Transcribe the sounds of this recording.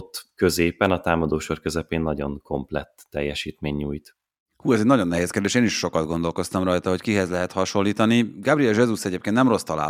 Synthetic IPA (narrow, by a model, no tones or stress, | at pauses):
t̪ːkøzeːpɛnɒt̪aːmɒd̪oːʃorkøzɛpeːnːɒɟo̞̰ŋko̞mplɛ̰t̪ːɛjːɛʃiːt̪meːɲːuːjt̪ | huːɛzɛɟnɒɟo̞nːɛɦeːskeːrd̪eːʃeːniʃʃo̞kɒd̪ɡo̞nd̪o̞lko̞st̪ɒmrɒjt̪ɒɦo̞ckiɦɛzlɛɦɛt̪hɒʃo̞nlːiːt̪ɒniɡabriɛlʒɛzusɛɟeːpkent̪nɛmro̞st̪ɒla̰ː